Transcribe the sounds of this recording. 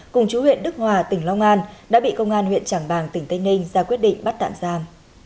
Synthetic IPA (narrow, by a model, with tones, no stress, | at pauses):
kʊ˨˩ŋ͡mt͡ɕu˨˦hwḭ˧˨ənɗɨ˦˥k̚hwaː˨˩t̪ï˧˩ŋ̟lɔ˧wŋ͡mʔaː˧nɗa̰ː˧˥ɓḭ˧˨kə˧wŋ͡mʔaː˧nhwḭ˧˨ənt͡ɕaː˧˩ŋɓaː˨˩ŋt̪ï˨˩t̪ə˧nï˧ŋ̟zaː˧kwi˦˥ət̚ɗḭ̈˧˨ŋ̟ɓa˦˥t̚t̪a̰ː˧˨mzaː˧m